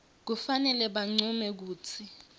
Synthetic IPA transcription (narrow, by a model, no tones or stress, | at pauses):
k̬ufanɛlɛɓaŋ͡ǀumɛk̬uːt͡sʰi